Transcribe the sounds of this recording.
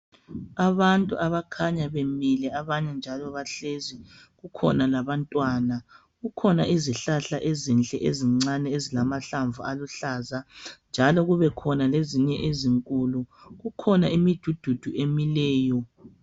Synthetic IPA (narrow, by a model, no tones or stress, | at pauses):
aβantʼṵʔaβakʰaɲaβemilɛaβaɲɛnd͡ʒʱalɔβaɬezi | ɣukʰɔ̰nalaβantʼwaːna | ɣukʰɔnaʔiziɬaɬaʔezint͡ɬʼɛʔeziŋ͡ǀanɛezilamaɬaɱvualuɬaːzand͡ʒʱalɔɣuβɛkʰɔnaleziɲɛʔeziŋkʼuluɣukʰɔnaimid̥ʱud̥ʱud̥ʱuʔemilɛːjɔ